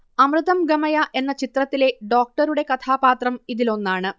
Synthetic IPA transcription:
ɐmrɨðɐmɡɐmɐjɐʔe̞nːɐt͡ɕit̪rɐt̪ːile̞ɖo̞ːk̚ʈɐɾuɽe̞kɐt̪ʰaːbaːt̪rɐmiðilo̞nːaːɳɨ

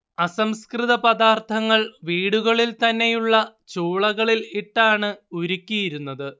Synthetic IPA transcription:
ɐsɐmskrɨðɐpɐðaːrt̪ʰɐŋːɐɭʋiːɽuɣɐɭilt̪ɐnːe̞juɭːɐt͡ɕuːɭɐɣɐɭiliʈːaːɳɨuɾukʲːijiɾunːɐðɨ

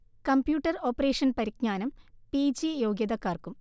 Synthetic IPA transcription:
kɐmpjuːʈːɐro̞ːpːɐreːʂɐnpɐɾikɲaːnɐmpid͡ʑijoːɡjɐðɐkːaːrkum

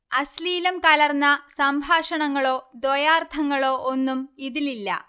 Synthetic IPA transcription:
ɐsliːlɐmkɐlɐrnːɐsɐmbʱaːʂɐɳɐŋːɐɭo̞ːd̪ojaːrt̪ʰɐŋːɐɭo̞ːʔonːumiðililːɐ̰

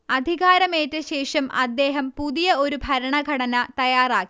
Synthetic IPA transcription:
ɐd̪ʱiɣaːɾɐmeːtːɨɕe̞ːʂɐmɐ̰d̪ːe̞ːɦɐmpuðijɐo̞ɾubʱɐɾɐɳɐɡʱɐɽɐnɐt̪ɐjaːraːkːi̥

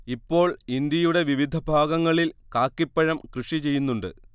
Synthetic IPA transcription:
ipːo̞ːɭind̪jɐjuɽe̞ʋiʋid̪ʱɐbʱaːɡɐŋːɐɭilkaːkːipːɐɻɐmkrɨʂit͡ɕe̞jːunːuɳɖɨ̰

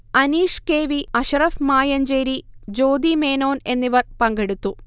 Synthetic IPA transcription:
ɐniːʂkeːʋiɐɕɐrɐfmaːjɐɲd͡ʑeːɾid͡ʑo̞ːd̪ime̞ːno̞ːne̞nːiʋɐrpɐŋɡeɽut̪ːu

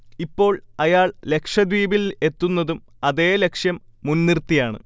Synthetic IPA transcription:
ipːo̞ːɭɐjaːɭle̞kʂjɐd̪ʋiːbile̞t̪ːunːɐðum | ɐðe̞ːle̞kʂjɐmːunːirt̪ːijaːɳɨ̰

